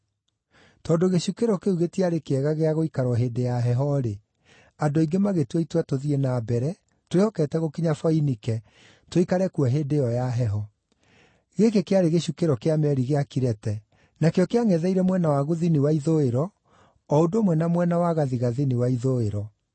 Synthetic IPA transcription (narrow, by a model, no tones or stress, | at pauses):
tɔdoɣeɕukeɾɔkeuɣetiaɾekeɛɣaɣeaɣoikaɾwɔɦeːdejaɦɛɦɔɾe | adoiɡemaɣetwɛitwatoðienaːbɛɾɛ | twehɔkɛtɛɣokiɲafɔinikɛ | twoikaɾɛkwɛɦeːdeɔjaɦɛɦɔ | ɣekekeaɾeɣeɕukeɾɔkeamɛɾiɣeakiɾɛtɛ | nakeɔkeaŋɛðɛiɾɛmwɛnawaɣoðiniwaiðoeɾɔ | ɔodomwɛnamwɛnawaɣaðiɣaðiniwaiðoeɾɔ